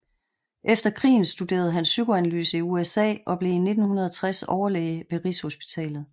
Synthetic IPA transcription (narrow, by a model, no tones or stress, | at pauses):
ʔefd̥ɐkʰʁḭːn̩sd̥ude̝̰ːɐð̞̩ˠɦænsːyɡ̥oænæly̰ːsəiuesɛ̰ːʔɒ̽b̥le̝ine̝d̥n̩hunɐð̞ˠɒt͡sʰʁasɒʊɐlḛːʋe̝ʁisho̝sb̥i̥t͡sʰɛ̰ːlð̞̩ˠ